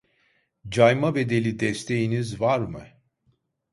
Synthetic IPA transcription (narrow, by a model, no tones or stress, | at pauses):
d͡ʒajmave̞d̪e̞lʲid̪ɛst̪ʰe̞jinizvaɾmɯ